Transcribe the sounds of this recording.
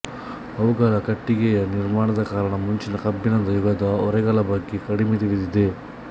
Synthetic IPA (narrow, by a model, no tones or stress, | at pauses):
ɐʋuɡaːlɐkɐʈːiɡɛjɐniɾmaːɳɐd̪ɐkaːɾɐɳɐmuɲt͡ʃinɐkɐbːinɐnd̪ɐjuɡɐd̪ɐɔɾɛɡɐlɐbɐɡːekɐɽimet̪iɽid̪id̪e